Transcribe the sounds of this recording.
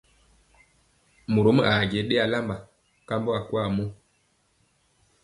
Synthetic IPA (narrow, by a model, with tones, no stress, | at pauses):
mo˨ɾo˨˦mə˦ʔa˨ɟe˨˦ɗe˦a˨la˦mba˨ | ka˦mbo˦a˨ku˦a˦˨mo˦